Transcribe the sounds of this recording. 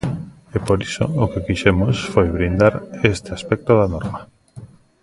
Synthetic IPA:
epoɾiso̰okekiʃɛmosfojβɾind̪aɾest̪ɪaspɛk̚t̪oðanɔɾmɐ

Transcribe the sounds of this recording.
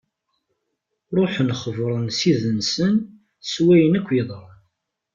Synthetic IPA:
ɾˤoħnχəvɾˤənsiðənsən | swæjənækʷːjeðˤɾˤən

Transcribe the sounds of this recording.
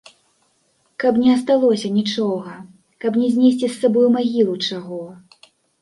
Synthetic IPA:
kɐpnʲɛɐs̬t̪alˠɔsʲɐnʲit͡ʂɔɣɐ | kɐpnʲɛzʲnʲesʲt͡sʲisːabɔjumaɣʲilˠut͡ʂaɣɔ

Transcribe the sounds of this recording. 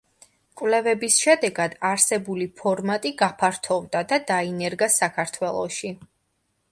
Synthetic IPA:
kʼwlɛvɛbisʃɛd̪ɛɡad̪̥aɾsɛbulipʰɔɾmat̪ʼiɡapʰaɾt̪ʰɔvd̪ad̪ad̪ainɛɾɡasakʰaɾt̪ʰwɛlˠɔ̰ʃi

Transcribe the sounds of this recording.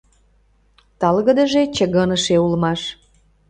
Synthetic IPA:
t̪ɑlɣə̆d̪əʒet͡ɕəɣənəʃeulmɑʃ

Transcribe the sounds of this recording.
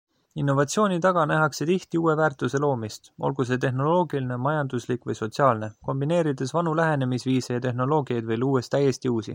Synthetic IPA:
inːo̞vɑt̪sio̞ːnʲit̪ɑɡ̥ɑnæɦɑkse̞t̪iht̪iuːe̞væːrt̪ˑuse̞lo̞ːmist̪o̞̰lɡ̥us̬e̞t̪e̞xno̞lo̞ːɡiline̞mɑjɑnd̪uslikˑvɤjso̞t̪siɑːlne̞ko̞mbine̞ːɾid̪e̞svɑnulæɦe̞ne̞misviːsejɑt̪e̞ɦno̞lo̞ːɡiɑjd̪̥vejluːe̞st̪ːæje̞st̪iuːsḭ

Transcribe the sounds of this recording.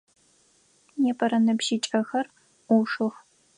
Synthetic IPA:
neːpʰɐɾɐnɐpʃit͡ʃʼɐxɐr | uʂɨx

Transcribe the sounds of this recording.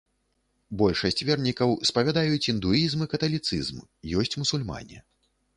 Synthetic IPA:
bɔlʲʂɐsʲt͡sʲvʲɛrnʲikɐwspɐvʲad̪ajut͡sʲind̪uizmɨkɐt̪ɐlʲit̪sɨ̰zmjɔsʲt͡sʲmusulʲma̰nʲɛ̰

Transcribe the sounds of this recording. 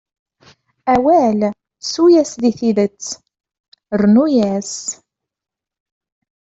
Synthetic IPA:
æwæl | sujæsðiθiðət͡sː | rnujæs

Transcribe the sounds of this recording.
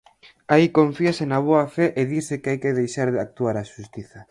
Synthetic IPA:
aikõɱfiasɪnaβ̞oɐfɛʔeðiɾsɪkɪajkɪðejʃaɾðɪak̚t̪uaɾaʃust̪iθɐ

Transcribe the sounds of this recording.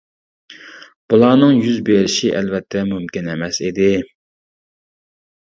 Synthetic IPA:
b̥ulˠɑːnɨŋjyzbeɾɪʃiʔɛlvɛt̪ʰːɛmymkʲinɛmɛsid̪ɪ

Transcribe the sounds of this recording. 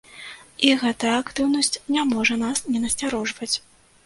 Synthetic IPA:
iɣɛt̪ɐakt̪ɨwnɐsʲt͡sʲnʲamɔʐɐnasnʲɛnɐsʲt͡sʲaɾɔʐvɐt͡sʲ

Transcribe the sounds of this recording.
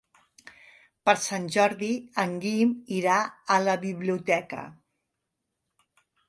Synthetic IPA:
pəɾsanʲʒɔɾðiəŋɡimiɾaələβiβliut̪ɛkə̰

